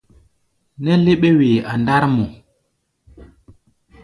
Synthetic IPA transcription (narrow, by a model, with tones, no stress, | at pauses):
nɛ˦le˦ɓe˦we˨a˨nda˦ɾmo˨